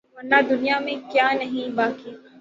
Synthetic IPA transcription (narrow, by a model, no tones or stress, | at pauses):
ʋɐɾnad̪ʊnijamẽkjaːnɐɦĩbaːki